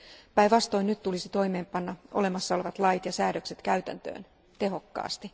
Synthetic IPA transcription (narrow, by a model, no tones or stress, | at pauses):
pæjʋɑst̪o̞jnyt̪t̪ːulisit̪o̞jme̞ːmpɑnːɑʔo̞̰le̞mɑsːɑo̞le̞ʋɑt̪lɑjt̪jɑsæːdø̞kset̪kæyɥt̪æ̰nt̪ø̰ːn | t̪e̞ɦo̞kːɑ̰ːst̪i